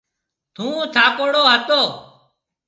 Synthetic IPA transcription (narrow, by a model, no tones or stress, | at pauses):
t̪ʰũːt̪ʰaːkoːɽoːɦət̪oː